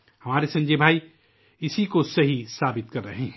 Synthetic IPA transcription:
hɐmaːɾesɐ̃nd͡ʒeːbʱaːi | ɪsikosɐɦisaːbɪt̪̚kɐɾːɐɦeɦɛ̃

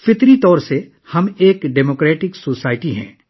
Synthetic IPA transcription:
fɪt̪ɾit̪ɔːɾse | hɐmeːkɖɛːmoːkɾɛːʈɪksoːsaːɪʈiɦɛ̰̃ː

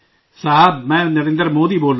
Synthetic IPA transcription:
saɦamɛ̃nɐɾeːnd̪ɾɐmoːd̪iboːl

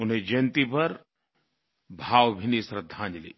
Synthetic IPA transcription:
ʊnɦẽd͡ʒɐnt̪ipɐɾ | bʱaːwbʱinisɾəd̪ʱãːɲd͡ʒlḭː

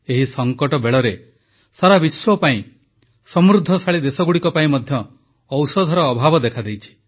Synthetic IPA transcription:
eɦisɔŋkɔʈɔbeɭɔɾe | saɾabiswɔpaĩ | sɔmɾud̪ʱːɔsaɭid̪esɔɡuɽikɔpaĩmɔd̪ʱjɔː | wsɔd̪ʱɔɾɔːbʱabɔd̪ekʰad̪ejt͡ʃʰi̥

